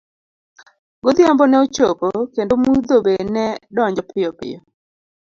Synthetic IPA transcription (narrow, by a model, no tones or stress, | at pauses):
ɡod̪jambɔnɛot͡ʃopokendomud̪obenɛdɔɲd͡ʒɔpʰɪɔpɪ̰jɔ